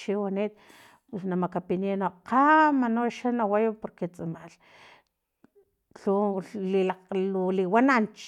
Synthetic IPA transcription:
ʃiwaneːt̪̚ | pwesnamakapinenoʔqamanoʃanawajapoɾket͡sʼamal | ɬulilaquliwanant͡ʃ

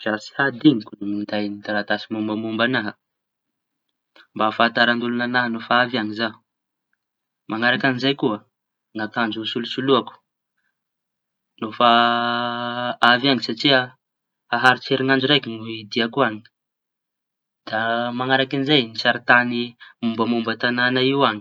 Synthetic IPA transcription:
vasi̥had̪iŋikunumind̪ajnid̪aɾat̪asimumbamumbanaɦə | mbafat̪aɾand̪ulunanaɦənofaavaŋizaɦu̥ | mʔaŋaɾakanizajkuə | ŋat̪and͡ʒusulusuluaku̥ | nofa | avaŋisaʈ͡ʂia | aɦaɾit͡seɾiŋand͡ʒuɾekinuid̪iakuaɲi̥ | d̪̥amaŋaɾakinizajnisaɾit̪animumbəmumbət̪ananaiwaŋi

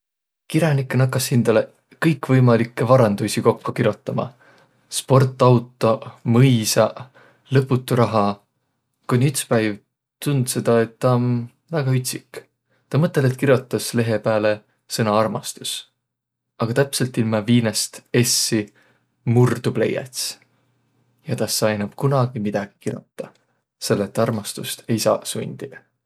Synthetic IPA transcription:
kiɾjɑnikːˑenɑkˑːɑshind̪̥ɑle | kɤjkːvɤjmɑlikːe̞vɑɾɑnd̪̥usʲiko̞kːukiɾjot̪ˑːɑmɑ̰ | spo̞rt̪ˑːɑwt̪ːˑomɤjsɑ | lɤpˑːut̪ːˑuɾɑɦɑ | kunʲiyt̪spæjv | t̪und̪se̞d̪̥ɑe̞t̪ːɑon | væɡ̥ɑyt̪ʲsik | t̪ɑmɤt̪ːˑe̞let̪̚kiɾjot̪ːˑɑsle̞ɦe̞pæːle̞ | sɤnɑɑrmɑst̪us | ɑɡ̥ɑt̪æpse̞lt̪ːilmɑviːnest̪e̞sːi | murd̪̥ub̥le̞̰jɑ̰t̪s | jɑt̪ɑɑjnɑb̥kunɑɡ̥imid̪̥ɑɡ̥i̥kirjo̰t̪ːˑɑ | se̞lːet̪ːˑɑrmɑst̪ust̪ʰe̞jsɑ̰ːsṵnʲd̪̥id̪̥

